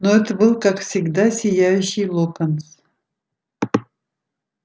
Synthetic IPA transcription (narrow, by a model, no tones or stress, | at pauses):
noɛt̪əbɨlˠkakfsʲɪɡd̪asʲɪjæjʉɕːɪjlˠokəns